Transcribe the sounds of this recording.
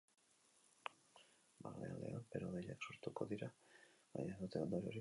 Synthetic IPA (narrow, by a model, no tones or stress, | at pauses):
balea̰ld̪e̞anpeɾoðeʎaksuɾt̪uko̞ðiɾaβa̰ɲaðut̪eond̪oɾioɾi